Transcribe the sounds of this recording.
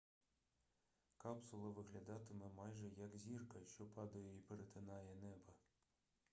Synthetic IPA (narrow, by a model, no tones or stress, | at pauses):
kɑpsulˠɐʋɨɣlʲad̪ɑt̪ɨmɘ̆mɑjʐɛjɑkzʲirkɐɕopɑd̪ɐjeipeɾet̪ʰɘnɑjenɛbɐ